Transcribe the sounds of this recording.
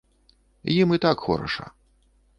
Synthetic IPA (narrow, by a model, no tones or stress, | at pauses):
jimit̪akxɔ̰ɾɐ̰ʂɐ̰